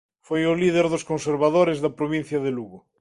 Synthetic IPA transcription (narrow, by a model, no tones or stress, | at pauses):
fojʊliðeɾðoskõnseɾβaðoɾezðɐpɾoβ̞ĩn̟θjɐðeluɣo